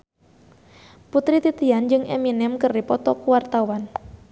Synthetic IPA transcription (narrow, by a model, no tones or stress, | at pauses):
put̪ɾit̪it̪iand͡ʒɨŋʔɛminɛmkəripɔt̪ɔkuwart̪awan